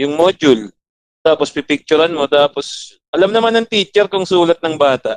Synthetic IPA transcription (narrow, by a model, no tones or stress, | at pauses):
jʊŋmod͡ʒʊl | t̪aːpo̞spɪpɪk̚t͡ʃʊɾanmo̞t̪aːpo̞s | ʔɐlamnɐmanːɐŋt̪iːt͡ʃɛɾkʊŋsuːlɐt̪̚nɐŋbaːt̪aʔ